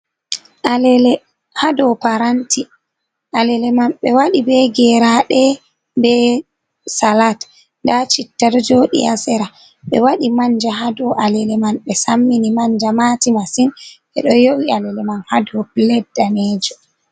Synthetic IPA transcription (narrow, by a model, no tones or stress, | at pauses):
ʔalɛlɛ | hadɔpaɾantʰi | ʔalɛlɛmanɓɛwaɗibɛɡɛɾaɗɛ | bɛ | salat | ndat͡ʃitːaɾd͡ʒoːɗḭasɛɾa | ɓɛ̰waɗimaɲd͡ʒaɦadɔʔalɛlɛmanɓɛsamːinimaɲd͡ʒamatimasinɓɛ̰ɗɔjowialɛlɛmanhadɔplɛdːanɛd͡ʒɔ